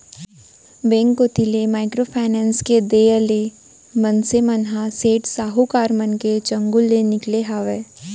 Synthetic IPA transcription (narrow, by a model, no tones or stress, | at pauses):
bẽːŋkːot̪ilemaːɪkɾopʰaːɪnɛ̃ːnsked̪eːəle | mənsemənɦaseːʈsaːɦukaːɾmənket͡ʃɐ̃ŋɡʊlːenɪkleɦaːʋeː